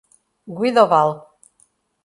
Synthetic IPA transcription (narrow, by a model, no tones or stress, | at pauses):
ɡwid̪ɔval